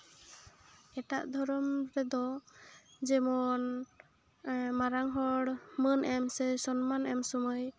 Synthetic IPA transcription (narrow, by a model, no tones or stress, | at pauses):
ɛʈa̰ʔd̪ʱɔɾɔmɾɛd̪ɔ | d͡ʒɛmɔn | maɾaŋɦɔɽmənʔɛmsɛsɔnmanɛmsɔmɔj